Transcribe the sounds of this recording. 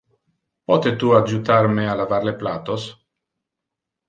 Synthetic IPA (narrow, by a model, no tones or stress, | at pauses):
pɔt̪et̪uad͡ʒut̪aɾmealavaɾleplaːt̪os